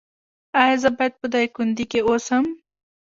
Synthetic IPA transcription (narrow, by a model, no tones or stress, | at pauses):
ajazəbajd̪̚pəd̪ajkund̪ikeosəm